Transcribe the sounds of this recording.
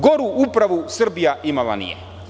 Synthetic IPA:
ɡoɾuupɾaʋusərbijaʔimaʋa̰nḭjɛ̰

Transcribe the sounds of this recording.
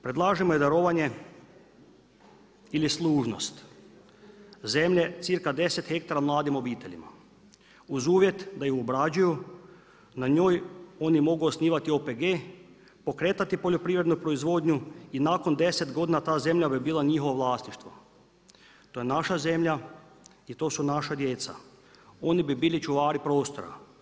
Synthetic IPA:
pɾed̪lˠaːʒemojed̪aɾoːʋaɲe̞ | ilislˠuːʒno̞st̪ | ze̞mʎe̞t̪siɾkad̪e̞set̪xe̞k̚t̪aɾamlˠaːd̪imo̞biːt̪e̞ʎima̰ | uzuːʋje̞t̪d̪ajuobɾad͡ʑuju | naɲo̞ːjo̞ːnimo̞ɡuosniːʋat̪io̞peɡeː | po̞kɾe̞ːt̪at̪ipoʎo̞pɾiʋɾe̞d̪nupɾo̞izʋo̞ːd̪ɲuinako̞nd̪e̞se̞t̪ɡo̞d̪inat̪aːze̞mʎabibiːlˠaɲixoʋoʋlˠaːst̪niʃt̪ʋo̞ | t̪ojenaʃaze̞mʎa | it̪o̞ːsunaʃad̪jeːt̪sa̰ | o̞nibibiːlit͡ʃuʋaːɾipɾo̞ːst̪o̞ɾa̰

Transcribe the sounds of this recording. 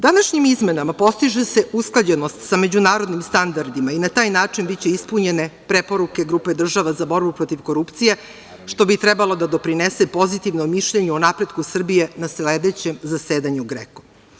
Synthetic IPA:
d̪anaʃɲimizme̞namapo̞st̪iʒese̞usklˠad͡ʑenost̪same̞d͡ʑunaːɾod̪nimst̪and̪aɾd̪imainat̪aːjnaːt͡ʂinbit͡ɕe̞ispuɲe̞ne̞pɾepo̞ɾuke̞ɡɾuːpe̞d̪r̩ʒaʋazabo̞ɾbupɾo̞t̪iʋko̞ɾupt̪sije̞ | ʃt̪o̞bit̪ɾɛbalˠo̞d̪ad̪o̞pɾinesepo̞zit̪iʋnomiʃʎeɲuonapɾe̞d̪kusr̩bije̞nasled̪et͡ɕe̞mzaseːd̪aɲuɡɾḛko̥

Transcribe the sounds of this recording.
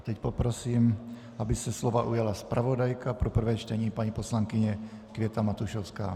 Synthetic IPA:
t̪ɛcpɔpɾɔsiːm | abisɛslɔʋaʔujalaspɾʔaʋɔd̪ajkapɾɔpr̩ʋɛːjʃt̪ɛɲiːpaɲipɔslaŋkiɲɛ | kʋɪɛt̪amat̪uʃɔʊska̰ː

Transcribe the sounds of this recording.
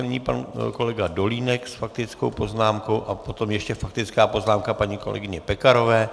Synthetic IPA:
nɪɲḭːpanko̞lɛɡado̞liːnɛksfak̚t̪ɪt͡sko̞̰wpo̞znaːmko̞wʔapo̞t̪o̞mjɛʃcɛfak̚t̪ɪt͡skaːpo̞znaːmkapaɲiːko̞lɛ̰ɡɪɲɛpɛkaɾo̞vɛː

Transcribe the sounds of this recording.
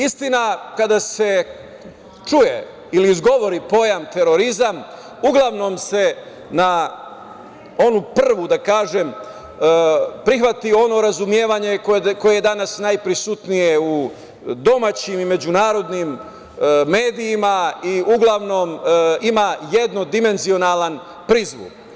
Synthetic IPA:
ist̪inakad̪ase̞ | t͡ʃujḛ | iliːzɡo̞ʋo̞ɾipo̞jamt̪e̞ɾo̞ɾizam | uɡlˠaʋno̞mse̞ | na | o̞nupr̩ʋud̪akaːʒe̞m | pɾixʋat̪io̞no̞ɾazumje̞ːʋaɲe̞kko̞jejed̪anasnajpɾisut̪nijeu | d̪o̞mat͡ɕimime̞d͡ʑunaːɾo̞d̪nim | me̞ːd̪ijimaiuɡlˠaʋno̞mimaje̞d̪nod̪ime̞nzio̞nalan | pɾizʋṵk

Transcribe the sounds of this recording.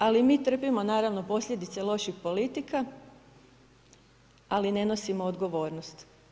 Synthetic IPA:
alimiːt̪r̩pimo̞naːɾaʋno̞po̞sʎʲe̞d̪it̪se̞lˠo̞ʃixpolit̪ika | aline̞no̞simoːd̪ɡo̞ʋo̞ːɾnost̪

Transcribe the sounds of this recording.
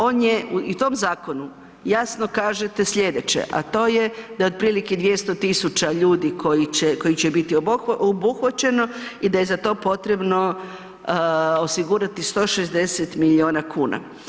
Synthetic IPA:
o̞ːnjeuit̪o̞mzaːko̞nu | jasno̞kaːʒet̪e̞sʎʲe̞d̪e̞t͡ɕḛʔa̰t̪o̞ːjed̪ajo̞d̪̚pɾiːliked̪ʋje̞st̪o̞t̪isut͡ɕaʎuːd̪ikʰo̞jit͡ɕeko̞jit͡ɕebit̪ioʔobuxʋat͡ɕe̞no̞id̪aje̞zat̪o̞ːpo̞t̪ɾe̞bno̞ | osiɡuɾat̪ist̪o̞ːʃezd̪e̞set̪milio̞ːnakʰuːna̰

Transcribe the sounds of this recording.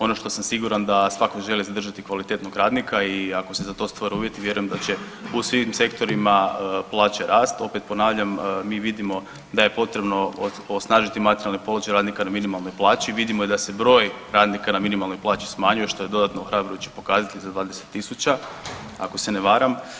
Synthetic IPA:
o̞no̞ʃt̪o̞samsiɡuɾand̪asʋakoʒe̞lizad̪r̩ʒat̪ikʋalit̪e̞t̪no̞ɡɾaːd̪nikaiakose̞zat̪o̞st̪ʋoɾiuːʋje̞t̪iʋje̞ɾujemd̪at͡ɕe̞ | usʋimse̞kt̪o̞ɾimaplˠaːt͡ɕeɾʔaːst̪o̞pet̪̚po̞naːʋʎammiːʋid̪imo̞ | d̪aje̞po̞t̪ɾe̞bno̞ | osnaːʒit̪imat̪eɾʲijalˠnepo̞lat͡ʃajɾaːd̪nikanaminimalˠno̞jplˠaːt͡ɕiʋid̪imojed̪ase̞bɾo̞ːjɾaːd̪nikanaminimalno̞jplˠaːt͡ɕi̥smaɲuje̞ʃt̪o̞ed̪o̞d̪at̪nooxɾabɾojut͡ɕe̥po̞kaːzat̪izad̪ʋaːd̪eset̪ːisut͡ɕa | a̰ko̞seneʋaːɾam

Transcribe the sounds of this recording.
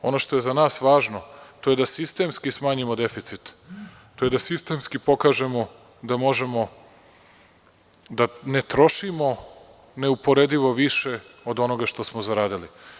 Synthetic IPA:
o̞no̞ːʃt̪ojezanaːsʋaːʒno̞t̪o̞je̞d̪asist̪e̞mskismaːɲimod̪e̞fit̪sit̪ | t̪ːoje̞d̪asist̪e̞mskipo̞kaːʒe̞mo̞ | d̪amo̞ʒe̞mo̞ | d̪anet̪ɾo̞ʃimo̞ | neupo̞ɾed̪iʋo̞ʋiʃe̞o̞d̪o̞no̞ɡaʃt̪osmozaɾaːd̪ili

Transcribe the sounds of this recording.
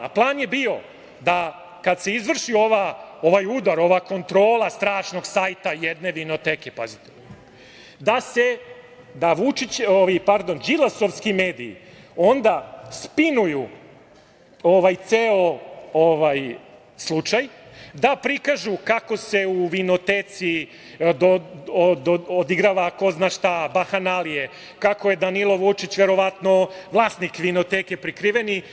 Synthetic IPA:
a̰plˠaːnje̞biːo̞ | d̪a | kad̪se̞izʋr̩ʃio̞ʋao̞ʋajud̪aɾo̞ʋako̞nt̪ɾo̞ːlast̪ɾaːʃno̞ɡsaːjt̪ajɛd̪ne̞ʋino̞t̪eːke̞pazit̪e | d̪ase̞ | d̪aʋut͡ʃit͡ɕoʋipaɾd̪o̞nd͡ʒilˠasoʋskime̞ːd̪iḭ | o̞nd̪aspinuju | oʋajt̪seooʋaj | slˠut͡ʃajd̪apɾikaʒukako̞se̞uʋino̞t̪eːt̪si | d̪od̪ood̪iɡɾaʋako̞znaʃt̪abaxanalije | kakoje̞d̪anilˠoʋut͡ʃit͡ɕʋe̞ɾo̞ʋat̪no̞ʋlˠaːsnikʋino̞t̪eke̞pɾikɾiːʋeni

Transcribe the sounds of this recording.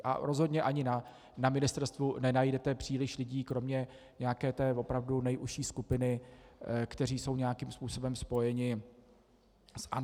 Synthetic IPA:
ʔa̰ɾo̞zɦodɲɛʔaɲɪna | namɪnɪst̪ɛɾst̪vunɛnajdɛt̪ɛpr̝̥iːlɪʃlɪɟiːkɾo̞mɲɛ | ɲɛjakɛːt̪ɛːvo̞pɾavdunɛjʔuʃiːskupɪnɪ | kt̪ɛr̝iːso̞wɲɛjakimspuːso̞bɛmspo̞jɛɲɪ | sʔa̰

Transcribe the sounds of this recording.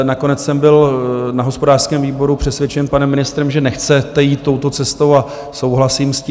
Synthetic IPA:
nako̞nɛt͡ssɛmbɪlnaɦo̞spo̞daːr̥skɛːmviːbo̞ɾupr̝̥ɛsvjɛt͡ʃɛnpanɛmːɪnɪst̪ɾɛmʒɛnɛxt͡sɛt̪ɛjiːt̪ːo̞wt̪o̞t͡sɛst̪o̞wa | so̞wɦlasiːmscː

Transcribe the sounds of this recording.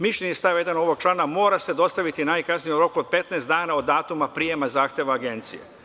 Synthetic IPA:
miʃʎe̞ɲest̪aʋjed̪ano̞ʋo̞ɡ̚t͡ʃlˠaːnamo̞ːɾase̞d̪o̞st̪aʋit̪inaːjkasnijoɾo̞kuod̪̚pe̞t̪nest̪d̪aːnao̞d̪aːt̪umapɾijemazaːxt̪jeʋaːɡe̞nt̪sijḛ

